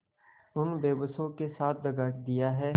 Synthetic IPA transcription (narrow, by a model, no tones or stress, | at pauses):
ʊnbeːbəsõkesaːt̪̚ʰd̪əɡaːd̪ɪjaɦɛː